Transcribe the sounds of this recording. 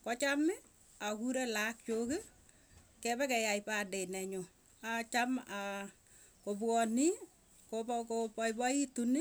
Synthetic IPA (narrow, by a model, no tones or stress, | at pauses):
kɔt͡ʃamɪ | akuɾɛlak̚t͡ʃoke | kɛbɛkɛjajpadenɛɲo | at͡ʃama | kopwɔni | kopkopɔjbɔitunɪ